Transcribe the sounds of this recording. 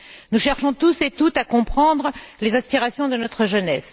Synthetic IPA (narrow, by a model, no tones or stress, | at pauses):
nuʃɛʁʃɔ̃t̪uset̪ut̪akɔ̃pχɑ̃d̪ʁəlezɛ̃spiʁasjɔ̃d̪ənɔt̪χəʒənɛs